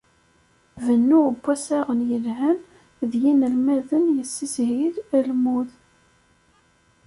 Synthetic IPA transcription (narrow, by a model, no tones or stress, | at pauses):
vənːuəbːæsæʁənjəlɦæn | ðjinəlmæðənjəsːishiɾælmuð